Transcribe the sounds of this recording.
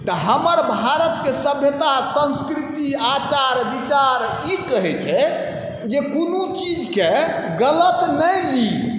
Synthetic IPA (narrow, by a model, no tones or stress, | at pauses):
t̪əɦəməɾbʱaɾət̪kesəbʱjət̪asə̃nskɾit̪iat͡ʃaɾbit͡ʃaɾ | ikəɦɛt͡ʃʰɛ | d͡ʒekonot͡ʃid͡ʒkeɡələt̪nəjli